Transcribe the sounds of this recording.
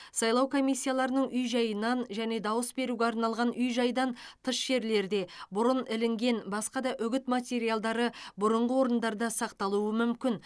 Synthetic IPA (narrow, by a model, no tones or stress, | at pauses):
sɑjlˠɑwkʰo̞mijsʲːijalˠɑɾənəɴʔʏjʒɑjənɑnʒæne̞d̪ɑwəsbe̞ɾuɡʲe̞ɑɾnɑlˠʁɑnʔʏjʒɑjd̪ɑnt̪ʰəʃʒe̞ɾle̞ɾd̪e̞bʊɾənɪlɪŋɡʲe̞nbɑsqɑd̪ɑʔʏɡʲɪt̪mat̪ʲe̞ɾijalˠd̪ɑɾəbʊɾəɴʁəwo̞ɾənd̪ɑɾd̪ɑsɑqt̪ɑlˠuəmʏmkʲɪn